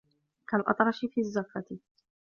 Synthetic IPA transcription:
kalʔɑ̰t̪ˤɾˤɑʃɪfiːazːafat̪ɪ

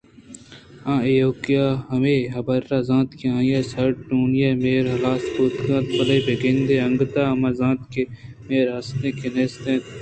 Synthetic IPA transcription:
ãːejoːkijaːɦɐmeɦɐbɐɾːaːzãːt̪keãːjeːsɐɾʈuːnijemeːɾɦɐlaːspuːt̪kãːt̪̚pɐlɐibeɡẽnd̪eɐŋɡt̪aːɐmaːzãːt̪ke | meːɾɐst̪ẽkeneːst̪ẽːt̪

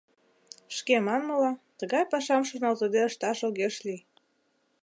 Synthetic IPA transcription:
ʃkemɑnmɤlɑt̪əɣɑjpɑʃɑmʃonɑlt̪əd̪eəʃt̪ɑʃoɣeʃli

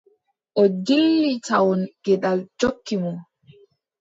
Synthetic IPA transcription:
ʔɔd͡ʒilːitawɔnɡ̥ɛɗald͡ʒokːimɔ

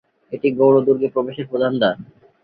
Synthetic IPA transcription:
eʈiɡowɽod̪uɾɡepɾobeʃeɾpɾod̪ʱand̪aɾ

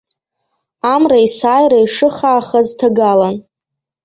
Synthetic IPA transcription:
amraisaːjɾaiʂɨχaːχaztʰaɡalan

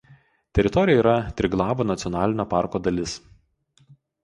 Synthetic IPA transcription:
t̪ʲɛɾʲɪt̪ɔɾʲɪjɛiːɾɐt̪ʲɾʲɪɡlˠɑːʋoːnɐt̪sʲɪɔnɑːlʲɪnʲoːpɑˑɾkoːd̪ɐlʲɪs

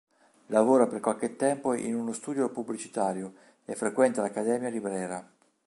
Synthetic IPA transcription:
lavoːɾaperkwalk̟et̪ːɛmpoʔḭnunost̪uːd̪jopubːlit͡ʃi̥t̪aːɾjo | efːɾekwɛnt̪alakːad̪ɛːmjalibɾɛːɾa

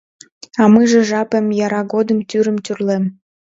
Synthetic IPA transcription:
ɑmɨʒĕʒɑpemjɑɾɑɣod̪əmt̪yɾəmt̪yrlem

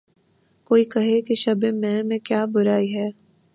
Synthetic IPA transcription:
koːikɐɦekeʃɐbẽmɛ̃mẽkjaːbʊɾaːiɦɛː

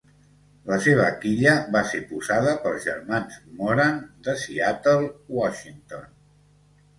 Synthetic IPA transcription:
ləseβ̞əːkiʎəβasepuzaðəpəlˠzʒə̰rmanzmɔɾand̪əsiat̪əlˠwɔʃint̪on

